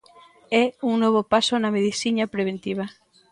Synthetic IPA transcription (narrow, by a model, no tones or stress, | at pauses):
ɛuŋnoβ̞opasonameðisiɲapɾeβ̞ent̪iβ̞a